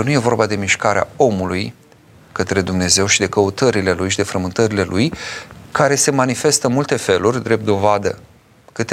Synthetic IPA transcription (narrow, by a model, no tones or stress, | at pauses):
nuje̞vo̞rbad̪e̞miʃkaɾea̰o̞muluj | kət̪ɾe̞d̪umne̞ze̞wʃid̪e̞kəut̪əɾile̞lujʃid̪e̞fɾəmɨnt̪əɾile̞lujkaɾe̞se̞manife̞st̪əmult̪e̞fe̞lurʲd̪ɾe̞p̚t̪d̪o̞vad̪ə̰ | kɨt̪e